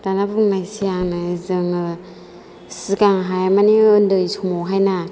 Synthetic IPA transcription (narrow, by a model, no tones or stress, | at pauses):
danapunajsijaŋnɯzɯŋɯ | sikaŋɦajamaniɯndɯjsʰumɔwɦajna